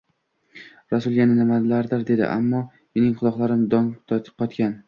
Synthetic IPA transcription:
ɾasʊlˠjanɪnɪmad̪laɾd̪ɪɾd̪e̞d̪ɪ̰ʔa̰mːɒ | jenɪŋqʰʊlˠɒqlˠaɾɪmd̪ɒŋt̪ʰɒt̪ʰqʰːɒt̪kʲan

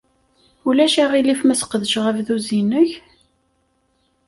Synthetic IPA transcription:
ulæʃæʁilifmæsqəðəʃʁəvðuzinəç

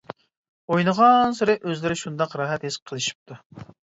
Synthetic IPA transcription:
ojnəʁɑnsɪɾɪʔøzlɪɾɪʃund̪ɑqɾɑːɦɛt̪hesqʰəlˠɨʃi̥p̚t̪ʰu

